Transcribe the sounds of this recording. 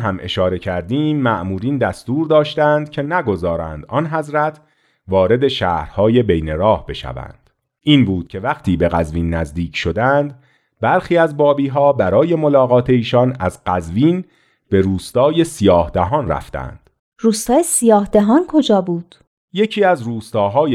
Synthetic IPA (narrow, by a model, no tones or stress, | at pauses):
ɦæmʔe̞̰ʃɒːɾe̞cʰæɾd̪iːmːæʔmuːɾiːnd̪æst̪uːɾd̪ɒːʃt̪ænd̪̥cʰe̞næɡo̞zɒːɾæ̰ːnd̪ɒnɦæzɾæt̪ʰ | vɒːɾe̞d̪e̞ʃæːhɾhɒːje̞be̞jneɾɒːhbe̞ʃæ̰væ̰nd̪̥ | ʔiːnbuːd̪̥cʰe̞væqt̪ʰiːbe̞ɣæzviːnːæzd̪iːcʰʃo̞d̪ænd̪ | bæɾxiːæzbɒːbiːɦɒːbæɾɒːje̞mo̞lɒːɣɒːt̪ʰe̞iːʃɒnæzɢæzviːn | be̞ɾuːst̪ɒːje̞sijɒːhd̪æɦɒːnræ̰ft̪æ̰nd̪̥ | ruːst̪ɒːjesijɒːhd̪eɦɒːnkʰo̞d͡ʒɒːbuːd̪̥ | je̞cʰiːæzruːst̪ɒːɦɒːje